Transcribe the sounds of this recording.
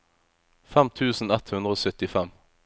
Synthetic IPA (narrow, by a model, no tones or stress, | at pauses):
fɛmt̪ʰʉːsn̩ɛt̪hʉnd̪ʁəoːsœt̪ɪfɛm